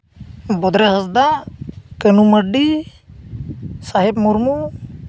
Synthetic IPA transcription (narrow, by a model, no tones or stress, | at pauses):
bɔd̪ɾɛɦasd̪akənuməɖi | saɦɛbmuɾmu